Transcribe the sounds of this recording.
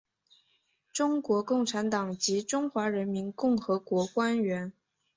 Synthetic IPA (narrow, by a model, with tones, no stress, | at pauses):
ʈ͡ʂʊ˥ŋkwɔ˧˥kʊ˥˩ŋʈ͡ʂʰa˧˥nt̪ɑ˨˩ŋt͡ɕi˧˥ʈ͡ʂʊ˥ŋxwa˧˥ɻə˧˥nmi˧˥nkʊ˥˩ŋxɤ˧˥kwɔ˧˥kwa˥nɥɛ˧˥n